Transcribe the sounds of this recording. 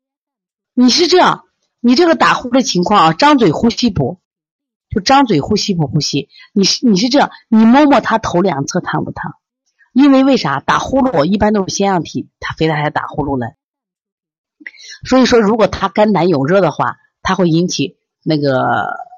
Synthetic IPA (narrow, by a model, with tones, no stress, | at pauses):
ni˨˩ʂ̬ɻ̩˥˧ʈ͡ʂɤ˥˧jɑ̰˥˩ŋ | ni˨˩ʈ͡ʂɤ˥˩ɡə˩t̪a˨˩xu˥d̪ə˨t͡ɕʰi˧˥ŋkʰwɑ˥˧ŋə˧˩ʈ͡ʂɑ˥ŋt͡swe˨˩ɪxu˥ɕi˥pṵ˨˩˦ | t͡ɕo˥˧˩ʂʈ͡ʂɑ˥ŋt͡swe˨˩ɪxu˥ɕi˥p̬u˨˩xu˥ɕi˥ | ni˨˩ʂ̩˥˩ni˨˩ʂɻ̩˥˧ʈ͡ʂɤ˥˧jɑ˥˩ŋni˨˩mo˥˧mwɔ˥˩t̪ʰa˥t̪ʰo˧˥ʊljɑ̰˨˩ŋt͡sʰɤ˥˧t̪ʰa˥˩nwṵ˨˩t̪ʰa˥ | i˥nwe˥˧ɪwe˥˩ɪʂə˧˥mə˧˩t̪a̰˨˩xu˥lu˥˩wɔ˨˩i˥˩pa˥nt͡ɕjo˥˧ʂɻ̩˥˩ɕjɛ˥njɑ˥˩ŋt̪ʰi˨˩˦t̪ʰa˥fɪt̪ʰa˥˩t͡sʰɪt̪a̰˨˩xu˥lu˥˩lə̰˨˩˦ | swɔ˧˥i˨˩ʂwɔ˥ɻu˧˥kwɔ˨˩t̪ʰa˥ka˥nna˧˥njo˨˩ʊɻɤ˥˩d̪ə˩xwa̰˥˩ | t̪ʰa˥xwe˥˩ɪi˧˥nt͡ɕʰi˨˩˦ | na˥˩ɡə˩